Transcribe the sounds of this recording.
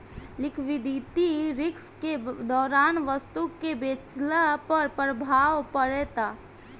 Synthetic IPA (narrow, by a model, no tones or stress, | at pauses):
lɪkʰʋid̪it̪iɾɪksked̪ɔːɾaːnʋəst̪ukebet͡ʃlapəɾpɾəbʱaːʋpəɾɛt̪a